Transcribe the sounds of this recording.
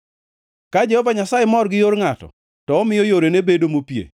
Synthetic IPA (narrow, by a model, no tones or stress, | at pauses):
kad͡ʒɛhɔvaɲasajemɔrɡɪjoɾŋatɔ̰ | tɔːmɪjɔjoɾenebedomopjḛ